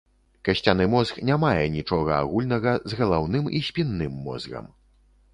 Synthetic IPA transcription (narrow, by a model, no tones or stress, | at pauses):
kɐɕʲt͡sʲanɨmɔzxnʲamajɛnʲit͡ʂɔɣɐa̰ɣulʲnɐɣɐzɣɐlˠawnɨmisʲpʲinːɨmːɔ̰zɣɐ̰m